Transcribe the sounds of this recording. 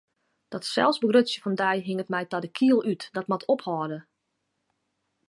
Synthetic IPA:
d̥ɔtsɛ̰lˠfsbəɡrøsjəfɔndɛjɦɪŋətmɛjtɔdəkʰiəlˠytdɔtmɔtʰophɔːdə

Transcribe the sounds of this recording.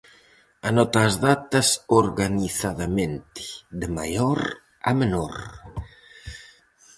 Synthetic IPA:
anɔt̪aːzðat̪ɐsoɾɣaniθaðamẽnt̪ɪ̥ðema̰jɔɾ | a̰menoɾ

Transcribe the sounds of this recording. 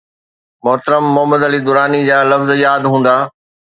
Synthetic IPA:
mʊɦt̪əɾəmːʊɦəməd̪əlid̪ʊɾaːnid͡ʑaːlɐfzjaːd̪ɦũːn̆d̪aː

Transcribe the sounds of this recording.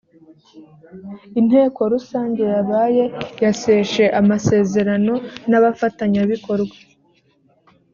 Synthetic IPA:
in̥he̞ːko̞ɾusaːɲɟe̞jaβaːje̞jase̞ʃe̞ʔamase̞ːze̞ɾano̞naβafataɲaβiko̞ɾɡwa

